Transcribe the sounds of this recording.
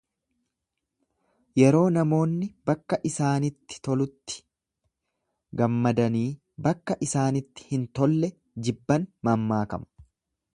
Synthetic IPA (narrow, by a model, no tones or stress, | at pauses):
jɛɾo̞ːnɐmo̞ːnːɪb̥ɐkːɐʔɪsaːnɪt̪ːɪ̥t̪ɔlʊt̪ːɪ̥ | ɡɐmːɐd̪ɐniː | bɐkːɐʔɪsaːnɪt̪ːɪ̥hɪnt̪ɔlːɛ | d͡ʒɪbːɐnmɐmːaːkɐ̰mɐ̥